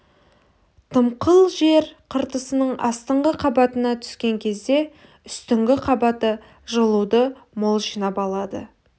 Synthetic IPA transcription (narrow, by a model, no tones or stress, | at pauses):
t̪ʰəmqəlˠʒe̞ɾqʰəɾt̪əsənəɴʔɑ̰st̪əɴʁəqʰɑbɑt̪ənɑt̪ʰʏ̥skʲe̞ŋkʲʰe̞zd̪e̞ | ʏst̪ʏŋɡʲɪqʰɑbɑt̪ə | ʒəlˠud̪əmo̞lˠʒinɑpɑlˠɑd̪ə̰